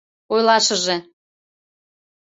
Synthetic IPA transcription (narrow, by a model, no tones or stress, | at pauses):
ojlɑʃəʒe